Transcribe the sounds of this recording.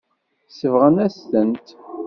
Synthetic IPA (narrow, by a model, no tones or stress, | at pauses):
səvʁənæst̪ənt̪